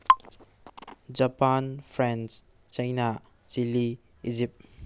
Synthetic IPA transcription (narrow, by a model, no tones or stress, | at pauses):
d͡ʒapanpʰɾens | t͡ʃajna | t͡ʃili | id͡ʒip̚t̚